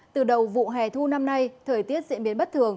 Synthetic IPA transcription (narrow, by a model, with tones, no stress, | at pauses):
t̪ɨ˨˩ɗə˨˩wvṵ˧˨ɦɛː˨˩t̪ʰu˧na˧mna˧jt̪ʰəː˨˩jt̪i˦˥ət̚zḭ˧˥nɓi˨˦ənɓə˦˥t̚t̪ʰɨ˨˩əŋ